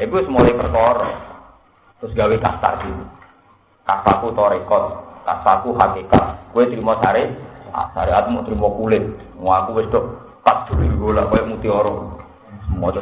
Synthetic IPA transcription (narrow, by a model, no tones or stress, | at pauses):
ikuwsmɔlepərkɔɾɔ | t̪ɾʊsɡaweka̰st̪a̰ʔɡ̥iw | kasakut̪ɔɾekɔt̪̚ka̰sakuɦakeka̰t̪̚kuwet̪ɾimɔsaɾea̰sa̰ɾeat̪mɔʔt̪ɾimɔkulɪt̪̚ | ŋɔakuwɪst̪ʊʔ | pat̪̚d̪̥ṳɾiɡolakɔjɔʔmut̪iɔɾɔ | mɔt͡ʃɔ